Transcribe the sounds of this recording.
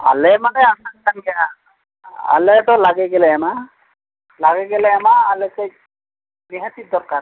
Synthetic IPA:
a̰lɛmanɛanankankɛa | a̰lɛtɔlaɡɛɡɛlɛɛma | laɡɛɡɛlɛɛmaːlɛsɛj | niɦatid̪ɔɹka

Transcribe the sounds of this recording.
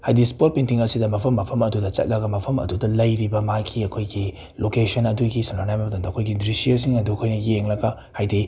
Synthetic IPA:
hajdispot̚pintiŋɐsidɐmɐpʰɐmːɐpʰɐmɐdudɐt͡ʃɐ̰t̚lɐɡɐmɐpʰɐmɐ̰dudɐlɐjɾibɐmaɡʰiɐkʰojɡi | lokesonɐduɡisananajbɐbɐdomdɐɐkʰojɡidɾisiosiŋɐdukʰojnɐjeŋlɐɡɐ | hajdi

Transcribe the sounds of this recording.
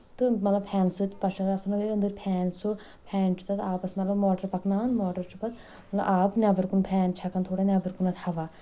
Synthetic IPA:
t̪ɨmɐt̪lɐb̚pʰɛːnsɨt̪pɐʃɐɐsɐnɐɡeənd̪əɾpʰɛːnso | pʰɛːnt͡ʃʰi̥t̪ʰɐt̪aːpɐsmɐt̪lɐbmɔːʈəɾpɐknaːnmɔːʈɐɾt͡ʃʰupɐt̪ | mɐt̪lɐ̰ʔaːpnʲaːbɐɾkunpʰɛːnt͡ʃʰɐkɐnt̪ʰoːɽanʲjaːbɐɾkunɐt̪ʰhɐʋaː

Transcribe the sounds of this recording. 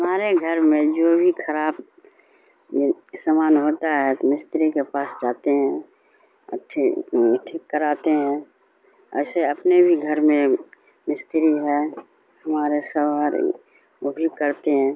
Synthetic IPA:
ɦəmaːɾeɡʱəɾmẽd͡ʒoːbʱikʰəɾaːb | səmaːnɦoːt̪aɦɛt̪omɪst̪ɾikepaːsd͡ʒaːt̪eɦɛ̰̃ | ʈʰ | ʈʰikːəɾaːt̪eɦɛ̃ | ɛ̰ːseəpnebʱiɡʱəɾmẽ | mɪst̪ɾiɦɛ | həmaːɾesəbaɾ | obʱikəɾt̪eɦɛ̃ː

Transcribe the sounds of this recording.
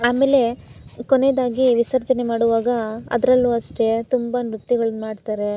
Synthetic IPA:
aːme̞ːle̞kone̞ːd̪aːɡiʋisɐɾd͡ʒɐne̞maːɽuʋaːɡɐɐ̰d̪ɐɾɐlːuɐʂʈet̪umbɐnɾut̪ːiɡɐɭɐnmaːɖt̪aːɾe̞

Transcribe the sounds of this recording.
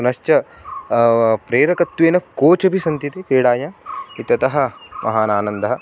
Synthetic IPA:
nɐʃt͡ʃɐ | pɾeːɾɐkɐt̪ːʋeːnɐkoːt͡ʃɐbʱisɐnt̪it̪ekeːɽaːjaːit̪ɐt̪ɐɦɐ̆mʔɐ̰ɦaːnaːnɐnd̪ɐɦɐ̆

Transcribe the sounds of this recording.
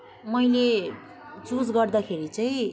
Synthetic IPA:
mʌjle | t͡sud͡zɡʌrd̪akʰeɾit͡saĩ

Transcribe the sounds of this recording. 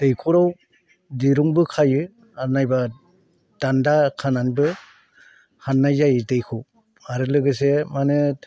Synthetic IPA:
d̥ejkʰuɾaw | diɾuŋbɯkʰajɯ | anajba | d̥andakʰananbɯ | hanːajzajdɯjkʰuw | aɾɯlɯɡɯs̬emanɯ

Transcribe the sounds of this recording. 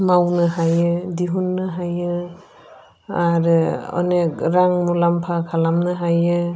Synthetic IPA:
mawnɯɦajɯdiɦunːɯɦajɯ | aɾɔ̰nek̚ɾaŋmulampʰakʰalamnɯɦajɯ

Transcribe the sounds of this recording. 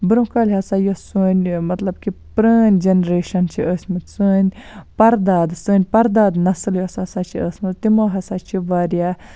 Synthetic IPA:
bɨɾũkalʲɦɐsaːjosunʲmɐt̪lɐbkipɾəːnʲd͡ʒenɾeːʃɐnt͡ʃʰiʔəːsʲmɨsɨːnʲpɐɾd̪aːd̪sɨːnʲpɐɾd̪aːd̪nɐsɨljosasaːt͡ʃʰiəːsʲmɨt̪imoːɦɐsat͡ʃʰiʋaːɾjaː

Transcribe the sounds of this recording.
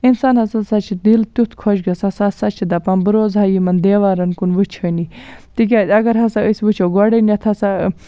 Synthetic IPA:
insaːnɦɐsɐsɐt͡ʃʰid̪ilt̪ut̪ʰkʰɔʃɡɐsɐsasɐt͡ʃʰid̪ɐpɐnbɨɾoːzɦaːjimɐnd̪eːʋaːɾɐnkunʋɨt͡ʃʰɐnit̪ik̬ʲaɐɡɐɾɦɐsaəsʋɨt͡ʃʰowɡɔɽɐnɐt̪ʰɐsa

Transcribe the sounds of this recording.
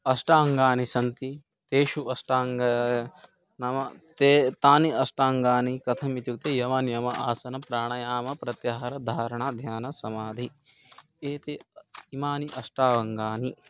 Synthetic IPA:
ɐsʈaːŋɡaːnisɐnt̪i | t̪eːʃuɐsʈaːŋɡ | nɐmɐt̪et̪aːniɐsʈaːŋɡaːnikɐt̪ʰɐmit̪juk̚t̪ejɐʋaːnjɐmɐʔaːsɐnɐpɾaːɳɐjaːmɐpɾɐt̪jɐɦɐɾɐd̪ʱaːɾɐɳaːd̪ʱjaːnɐsɐmaːd̪ʱi | eːt̪eimaːniʔɐsʈaːʋɐŋɡaːni

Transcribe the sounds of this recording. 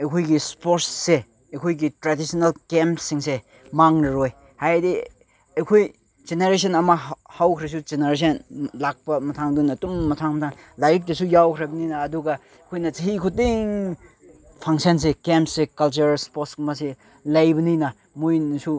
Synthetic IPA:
ɐjkʰujɡispɔtsse | ejkʰojɡitɾadisɔnalkempsiŋse | maŋnɐɾɔj | hajdi | ejkʰoj | d͡ʒeneɾes̬ɔnɐmahawkʰɾes̬ud͡ʒeneɾes̬ɐnlak̚pɐmɐtʰaŋdunɐtumːɐtʰaŋmɐtʰaŋ | lajik̚desujawkʰɾabɐninɐːduɡa | kʰojnɐt͡ʃeɦikʰut̚iŋ | pʰaŋsens̬ekemsekalt͡ʃɐɾspɔtsmase | lɐjbɐninɐ | mujnisu

